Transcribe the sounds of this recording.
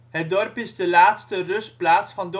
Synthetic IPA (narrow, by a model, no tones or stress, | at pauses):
ɦət̚dɔrpɪzdəlaːtstərɵsplaːtsfɑndo